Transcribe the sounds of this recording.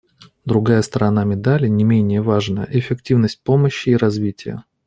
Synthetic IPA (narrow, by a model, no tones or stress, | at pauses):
d̪ɾʊɡajəst̪əɾɐnamʲɪd̪alʲɪnʲɪmʲenʲɪjəvaʐnəjə̰ʔɪfʲɪktʲivnəsʲt̚ʲpo̞məɕːɪːɾɐzvʲitʲɪjə̰